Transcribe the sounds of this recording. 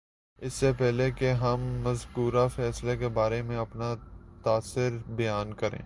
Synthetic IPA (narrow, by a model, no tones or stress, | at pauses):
ɪsːepɛɦlekeɦɐmːɐzkuːɾafɛːslekebaːɾemẽɐpnat̪aːsɪɾbɐjaːnkɐɾḛ̃ː